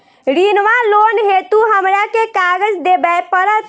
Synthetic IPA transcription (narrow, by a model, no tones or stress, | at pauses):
ɾinʋalonɦet̪uɦəmɾakekaɡəd͡ʒd̪ebɛpəɾət̪